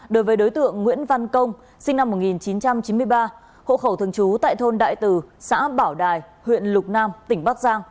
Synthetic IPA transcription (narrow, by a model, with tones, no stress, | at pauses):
ɗo˨˦jvəː˨˦jɗo˨˦jt̪ɨ̰˧˨əŋːwḭ˧˥ənva˧nkə˧wŋ͡m | sï˧ŋna˧mːo˨˩t̚ŋi˨˩nt͡ɕi˨˦nt͡ɕa˧mt͡ɕi˨˦nmɨ˧əjɓaː˧ | ho̰˧˨xə˧˩t̪ʰəŋt͡ɕu˨˦t̪a̰ː˧˨jt̪ʰo˧nɗa̰ː˧˨jt̪ɨ˨˩sa̰ː˧˥ɓaː˧˩wɗaː˨˩jhwḭ˧˨ənlʊ˨˩k͡p̚naː˧mt̪ï˧˩ŋ̟ɓaː˦˥k̚zaː˧ŋ